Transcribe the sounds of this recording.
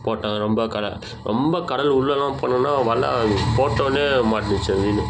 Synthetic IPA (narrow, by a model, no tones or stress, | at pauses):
poːʈːãːɐɾɔmbɐkɐɽɐ | ɾɔmbɐkɐɽɐlʊɭːɐlːãːponːɯnːaːʋɐlːɐ̰poːʈːõːneːmaːʈːɪnɯt͡ʃːɐ̃ʋiːnɯ